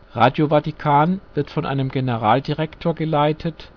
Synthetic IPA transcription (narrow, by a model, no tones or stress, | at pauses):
ʁaːdjovatikʰaːnv̥ɪɐtfɔnʔa̰ɪnəmɡenəʁaːldiʁɛktʰoːɐɡəlaɪtʰət